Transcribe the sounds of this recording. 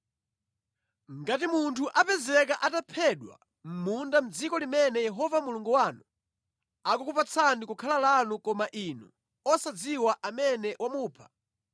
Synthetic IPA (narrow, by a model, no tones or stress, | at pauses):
ŋ̩ɡatimuntʰuʔapɛzɛk̬aʔatapʰɛɗwa̰ | m̩mundam̩d͡zikɔlimɛnɛjɛɦɔvamuluŋɡuwaːnu | akukupat͡sʰandikukʰalalanukɔmaʔinṵ | ɔsad͡ziwaʔamɛnɛwʔamuːpʰḁ